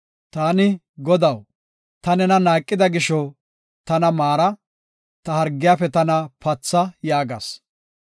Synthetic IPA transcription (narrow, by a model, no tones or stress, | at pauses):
t̪aːnɪ | ɡɔd̪ɐw | t̪ɐnɛnɐnaːkʼːɪd̪ɐɡɪʃɔ | t̪ɐnɐmaːɾɐ | t̪ɐhɐɾɡːɪjaːfɛt̪ɐnɐpɐt͡sːɐjaːɡɐ̰s